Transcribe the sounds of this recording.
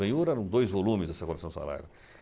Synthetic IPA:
ɐ̃ɲuɾɛɾɐ̃w̃d̪ojzvolũmɪzɛsɐkomisɐ̃sa̰la̰ɾɐ̰

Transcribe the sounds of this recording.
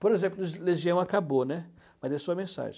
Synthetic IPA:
poɾezẽmplʊzleʒiɐ̃w̃akabonɛ | mɐzd̪ɛsuɐmẽsa̰ʒḛ̃

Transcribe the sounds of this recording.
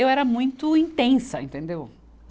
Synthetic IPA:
ewɛɾɐmũj̃t̪ʊĩnt̪ẽsɐẽnt̪ẽnd̪ew

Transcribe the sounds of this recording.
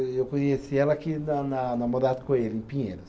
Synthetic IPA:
ewkõɲesiɛlɐakinɐnɐnɐmod̪ad̪ɪkõelɪẽpĩɲẽnɐs

